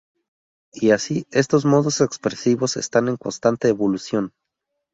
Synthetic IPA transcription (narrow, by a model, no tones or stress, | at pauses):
iasie̞st̪o̞zmo̞ðo̞se̞kspɾe̞siβo̞se̞̰st̪ane̞ŋko̞̰nst̪ant̪e̞ːβo̞lusjo̞n